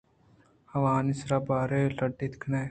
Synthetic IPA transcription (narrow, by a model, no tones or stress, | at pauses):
hɐʋaːnɪsɾaːbaːɾeləɖɪt̪kʰna